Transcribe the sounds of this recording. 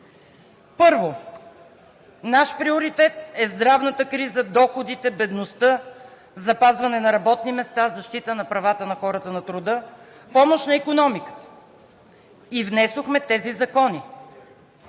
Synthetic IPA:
pɤɾvo | naʃpɾioɾit̪ɛt̪̚ɛzd̪ɾavnət̪əkɾizəd̪ɔxod̪it̪ɛbɛd̪nost̪ɤ | zɐpazvɐnɛnɐɾɐbɔt̪nimɛst̪azɐʃt̪it̪ənɐpɾɐvat̪ənɐxɔɾət̪ənɐt̪ɾʊd̪ɤ | pɔmoʃnɐikonɔmikə̥t̪ə̥ | ivnɛsoxmɛt̪ɛzizɐkɔni

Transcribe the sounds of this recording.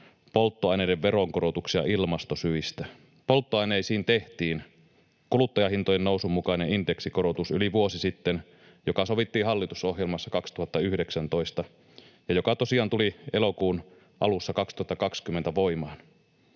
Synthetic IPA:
polt̪ːoɑjnejdeʋʋeɾoŋkoɾot̪uksiɑ̰ʔilmɑst̪osyist̪æ | po̞lt̪ːoɑineisiːnt̪e̞ht̪iːn | kulut̪ːɑjɑhint̪ojennousumːukɑinenind̪eksikoɾot̪usyliʋuosisit̪ːen | jokɑsoʋit̪ːiːɦɑlːit̪uso̞hjelmɑsːɑkɑkst̪uhɑt̪ːɑyhdeksænt̪oist̪ɑ | jɑjokɑt̪o̞siɑːnt̪ulielokuːn | ʔɑ̰lusːɑkɑkst̪uhɑt̪ːɑkɑkskymːent̪æʋoimɑːn

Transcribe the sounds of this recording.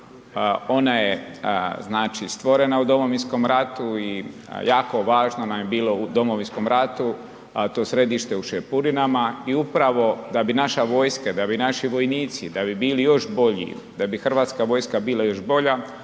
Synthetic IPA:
o̞najeznaːt͡ʃist̪ʋo̞ɾe̞naud̪o̞moʋinsko̞mɾat̪ui | jaːko̞ʋaːʒnonamjebiːlo̞ud̪o̞mo̞ʋinsko̞mɾat̪u | t̪o̞ːsɾe̞d̪iʃt̪e̞uʃepuɾinamaiupɾaʋo̞d̪abinaʃaʋo̞ːjskad̪abinaʃiʋo̞jniːt̪sid̪abibiːlijo̞ʃbo̞ʎḭ | d̪abixr̩ʋaːt̪skaʋo̞jskabiːlˠajo̞ʃbo̞ʎa

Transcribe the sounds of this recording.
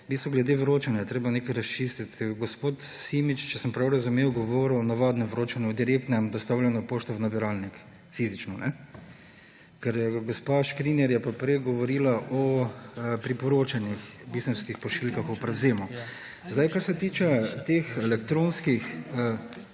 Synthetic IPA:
bist̪ʋɔɡlɛd̪eʋɾoːt͡ʃanjajɛt̪ɾeːbanekajɾɐst͡ʃist̪it̪ɡospoːt̪simit͡ʃt͡ʃɛsəmpɾawɾɐzumeːwɡoʋoɾnaʋad̪nɛʋɾoːt͡ʃanɛɔd̪iɾekt̪nɛmd̪ɔst̪awlʲɛnɔpoːʃt̪ɔʋnabiɾalnik | fizit͡ʃnɔnɛ | kɛɾjɛɡospaʃkɾinɛɾjɛpapɾɛɡɔʋɔɾiːlaʔɔ | pɾipɔɾoːt͡ʃanix | bizəmskixpɔʃilkaxɔpɾɛwzeːmu | zd̪ajkaɾsɛt̪iːt͡ʃɛt̪exɛlɛkt̪ɾõnskixə

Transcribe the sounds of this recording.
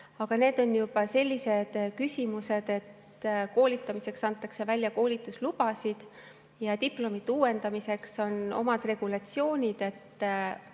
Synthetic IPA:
ɑɡ̥ɑne̞ːd̪̥o̞njub̥ɑse̞lʲːise̞d̪̥kysʲimuse̞d̪̥e̞t̪ | ko̞ːlʲit̪ːˑɑmise̞ksɑnt̪ːˑɑkse̞vælʲjɑko̞ːlʲit̪ˑːuslub̥ɑsid̪̥ | jɑt̪iplo̞mid̪uːwe̞nd̪̥ɑmise̞kso̞no̞̰mɑd̪̥re̞ɡ̥ulɑt̪sio̞ːnʲid̪̥e̞t̪ː

